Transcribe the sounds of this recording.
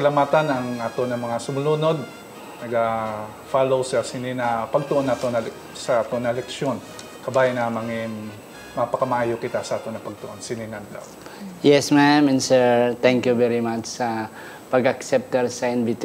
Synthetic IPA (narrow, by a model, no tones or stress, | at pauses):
sɐlɐmaːt̪anɐŋʔaːt̪onɐmɐŋasʊmʊlunod̪̚ | nɐɡa | falowsɐsɪninɐpɐɡ̚t̪oʔonat̪onɐ | sɐʔaːt̪onɐlɛk̚ʃon | kɐbajɪnɐmɐŋiŋ | mɐpɐkɐmɐʔaːjokɪt̪asɐʔaːt̪onɐpɐɡ̚t̪ʊʔonsɪninand̪a̰w | jɛsmamɛnsɛɹt̪ɛ̃ŋkjuvɛɾimat͡ʃsɐ | pɐɡɐksɛp̚t̪ɛɾsɐɪnvit̪